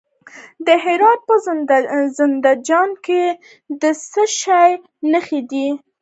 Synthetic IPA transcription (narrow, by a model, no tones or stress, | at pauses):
d̪əɦɪɾɑt̪̚pə | zɪnd̪ad͡ʒɑnke | d̪əsəʃɑj | nəxed̪i